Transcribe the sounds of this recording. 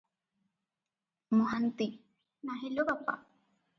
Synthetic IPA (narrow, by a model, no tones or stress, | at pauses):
mõɦant̪i | naɦeʎopapa̰